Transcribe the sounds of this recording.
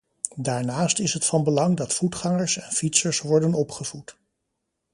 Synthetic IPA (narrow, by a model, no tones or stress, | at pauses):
daːɹnaːstɪsɦətfɑnbəlɑŋdɑtfutχɑŋəɹsɛnfitsəɹsʋɔɹdənɔpχəvut